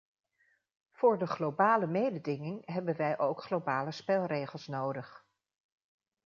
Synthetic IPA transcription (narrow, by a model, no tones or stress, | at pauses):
v̥ʊːɹdəχlowbaːləmejdədɪŋɪŋɦɛbənʋɛjʔowkχlowbaːləspɛlˠrejχəlˠsnowdəχ